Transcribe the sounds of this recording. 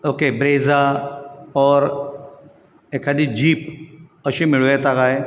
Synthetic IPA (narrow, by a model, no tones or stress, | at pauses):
oːkebɾeːza | ɔːɾ | ekʰad̪id͡ʑiːpəʃimɪɭoet̪akaːɦeː